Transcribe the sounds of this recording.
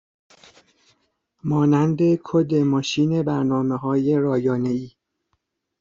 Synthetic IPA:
mɒːnænd̪e̞kʰod̪e̞mɒːʃiːne̞bæɾnɒːmeɦɒːje̞ɾɒːjɒːne̞iː

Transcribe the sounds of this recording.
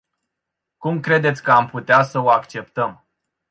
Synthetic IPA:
kumkɾe̞d̪e̞t̪sʲkəamput̪easəoakt͡ʃe̞pt̪əm

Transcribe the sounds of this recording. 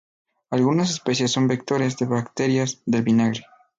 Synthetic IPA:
alɣunas̬espe̞sjesːo̞mbek̚t̪oɾjezðe̞βakt̪e̞ɾjazðe̞lβinaɣɾe

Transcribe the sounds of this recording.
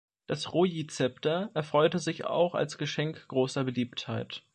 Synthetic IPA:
d̥asʁoːjit͡sɛptɐʔɛɐfʁ̥ɔʏtəzɪça̰ʊxa̰lsɡ̥əʃɛŋkɡ̥ʁoːsɐbəliːpthaɪt

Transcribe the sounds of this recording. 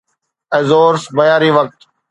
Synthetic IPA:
ɛzoːɾsbɐjaːɾiːʋək̚t̪

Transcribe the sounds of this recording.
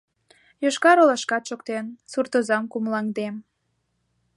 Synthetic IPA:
joʃkɑɾolɑʃkɑt̪ʃokt̪ensurt̪ozɑmkumlɑŋd̪em

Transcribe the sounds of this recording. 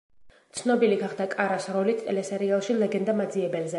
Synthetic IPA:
t̪sʰnɔbiliɡaχd̪akʼaɾasɾɔlit̪ʼʰɛlɛsɛɾialˠʃilɛɡɛnd̪amad̪ziɛbɛlzɛ

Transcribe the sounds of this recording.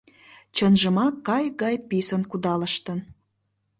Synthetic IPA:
t͡ɕənʒə̆mɑkːɑjɣɑjpisənkud̪ɑləʃt̪ən

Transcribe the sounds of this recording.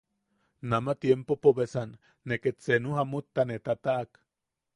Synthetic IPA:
namat̪jempopoβesanː | eket͡senuɦamut̪ːanet̪at̪aʔak

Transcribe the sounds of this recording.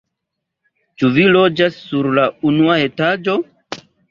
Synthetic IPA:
t͡ʃuvilo̞d͡ʒasːuɾlaunuae̞tad͡ʒo

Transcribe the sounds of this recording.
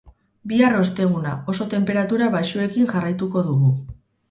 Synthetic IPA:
biaro̞st̪e̞ɣ̞unao̞so̞t̪e̞mpe̞ɾat̪uɾaβajʃue̞kiŋʝarajt̪uko̞ðuɣu

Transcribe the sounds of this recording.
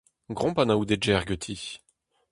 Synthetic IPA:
ɡʁɔ̃panaud̪ed͡ʒɛʁɡøt̪ʰi

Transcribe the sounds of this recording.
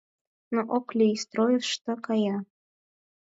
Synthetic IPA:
noʔoklʲiist̪ɾojəʃt̪əkɑjɑ

